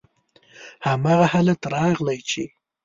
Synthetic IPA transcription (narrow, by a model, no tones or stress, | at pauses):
hamɑːɣahalat̪aɾɑɣlajt͡ʃe